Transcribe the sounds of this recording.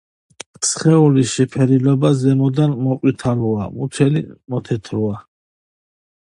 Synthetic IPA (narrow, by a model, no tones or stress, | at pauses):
sχɛuliʃɛpʰɛɾilɔbazɛmɔd̪anmɔqʼwit̪ʰalua̰mut͡ʃ̪ʰɛlimɔt̪ʰɛt̪ʰɾua